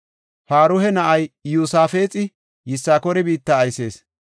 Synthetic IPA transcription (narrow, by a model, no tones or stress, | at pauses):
faːɾʊhɛnɐʔɐjjuːsaːfeːt͡sʼɪ | jɪsːaːkɔɾɪbiːt̪ːɐːjse̞ːs